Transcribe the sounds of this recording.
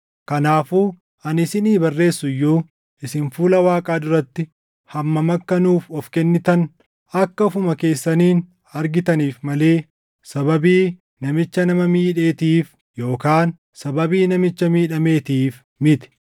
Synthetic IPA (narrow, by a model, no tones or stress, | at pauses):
kɐnaːfuː | ɐnɪsɪniːbɐrːe̞ːsːʊjːuː | ɪsɪnfuːlɐwaːkʼaːd̪ʊɾɐt̪ːɪ | hɐmːɐmɐkːɐnuːfɔfkɛnːɪt̪ɐn | ɐkːɐfʊmɐke̞ːsːɐniːn | ɐɾɡɪt̪ɐniːfmɐle̞ː | sɐbɐbiː | nɐmɪt͡ʃːɐnɐmɐmiːᶑe̞ːt̪iːf | jo̞ːkaːn | sɐbɐbiːnɐmɪt͡ʃːɐmiːᶑɐme̞ːt̪iːf | mɪt̪ɪ̥